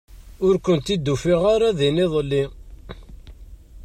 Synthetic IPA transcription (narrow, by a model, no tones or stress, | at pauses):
ʊɾkʷənt̪id̪ːufiʁaɾaðinɪðˤlːi